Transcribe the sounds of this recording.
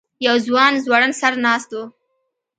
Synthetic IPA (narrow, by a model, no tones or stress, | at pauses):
jawzwɑnzwɑɽənsaɾnɑst̪o